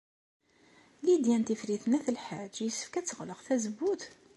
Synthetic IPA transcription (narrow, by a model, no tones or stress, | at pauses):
lid̪jænt̪ifɾiθənæθəlħad͡ʒjəsːə̥fkæt͡sːəʁləʁθæzəbut̪